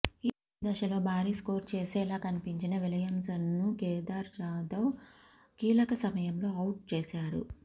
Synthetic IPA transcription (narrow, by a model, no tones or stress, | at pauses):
i | d̪ɐʃɐlo̞ːbʱaːɾiːsko̞ːɾt͡ʃeːsɛːlaːkɐnipiɲt͡ʃinɐʋilɐjɐmsɐnːukɛːd̪aːɾd͡ʒaːd̪ɐw | kiːlɐkɐsɐmɐjɐmlo̞ːɐwʈ̚t͡ʃeːsaːɽṵ